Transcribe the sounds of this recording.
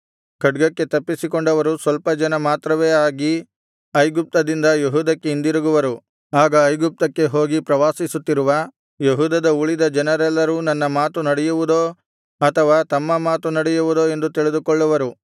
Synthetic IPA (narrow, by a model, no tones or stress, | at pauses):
kɐɖɡɐkːe̞t̪ɐpːisikoɳɖɐʋɐɾusʋɐlpɐd͡ʒɐnɐmaːt̪ɾɐʋe̞ːaːɡi | ɐjɡup̚t̪ɐd̪ind̪ɐjeɦuːd̪ɐkːeind̪iɾuɡuʋɐɾu | aːɡɐːjɡup̚t̪ɐkːe̞ɦo̞ːɡipɾɐʋaːsisut̪ːiɾuʋɐ | jeɦuːd̪ɐd̪ɐuɭid̪ɐd͡ʒɐnɐɾɛlːɐɾuːnɐnːɐmaːt̪unɐɽɛjuʋud̪oː | ɐt̪ʰɐʋaːt̪ɐmːɐmaːt̪unɐɽɛjuʋud̪o̞ːe̞nd̪ut̪iɭid̪ukɔɭːɐʋɐɾu